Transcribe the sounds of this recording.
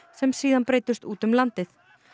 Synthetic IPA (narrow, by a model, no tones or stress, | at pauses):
sɛmsiːðanpɾeːjt̪ʏst̪uːt̪ʏmlant̪ɪθ